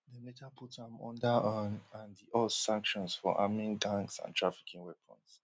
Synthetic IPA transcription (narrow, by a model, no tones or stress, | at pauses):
dəmetʰapʰutʰãmɔ̰̃ndaãnãndiʔɔsãŋkʃɔ̃nsfɔ̰ʔa̰mĩŋdãŋksã̰ntʰɹafi̥kʰĩŋwɛpʰɔ̰̃ns